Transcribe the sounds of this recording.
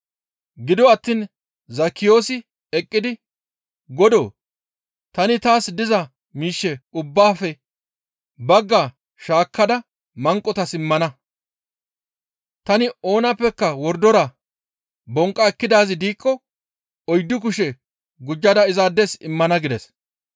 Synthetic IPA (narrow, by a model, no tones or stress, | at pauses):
ɡɪd̪ɔɐt̪ːiːn | zɐkːɪjo̞ːsɪ | ɛkʼːɪd̪ɪ | ɡɔd̪o̰ː | t̪ɐnɪt̪aːsd̪ɪzɐ | miːʃːɛʊbːaːfɛ | bɐɡːa | ʃaːkʰːɐd̪ɐ | mɐŋkʼːɔt̪ɐsɪmːɐnɐ | t̪ɐnɪo̞ːnɐpːɛkːɐwɔɾd̪ɔɾɐ | bɔŋkʼːɐɛkːɪd̪aːzɪd̪iːkːɔ | ɔjd̪ːʊk̬ʊʃɛ | ɡʊd͡ʒːɐd̪ɐɪzaːd̪ːesɪmːɐnɐɡɪd̪ɛs